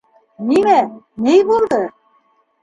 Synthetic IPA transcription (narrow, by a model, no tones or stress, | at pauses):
nimæ | nejbulˠd̪ɤ